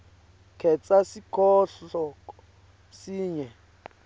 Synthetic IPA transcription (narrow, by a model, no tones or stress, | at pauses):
kʰɛt͡sʼasikʰɔɬɔ | siːɲɛ